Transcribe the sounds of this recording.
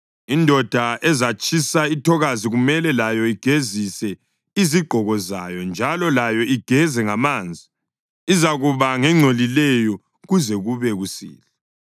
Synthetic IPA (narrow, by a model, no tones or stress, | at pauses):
indʱɔd̥ʱaʔɛzat͡ʃʼʰisaitʰɔɣaziɣumɛlɛlajɔiɡ̥ʱezisɛ | iziɡ͡ǃʱɔɣɔza̰jɔnd͡ʒʱalɔlajɔiɡ̥ʱɛzɛŋamaːnd͡zʱi | izaɣuβaŋɛŋ͡ǀʱolilɛjɔ | ɣuzɛɣuβɛɣusḭːlɛ